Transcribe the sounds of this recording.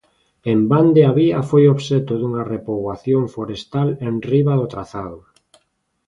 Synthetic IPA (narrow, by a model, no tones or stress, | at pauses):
emband̪eaβiafojoβʃet̪ʊðuŋarepoɣwaθjoɱfoɾest̪alenriβaðot̪ɾaθaðʊ